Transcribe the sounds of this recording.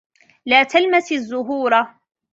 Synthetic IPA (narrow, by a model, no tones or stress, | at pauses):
laːt̪almasɪzːʊɦuːɾˤa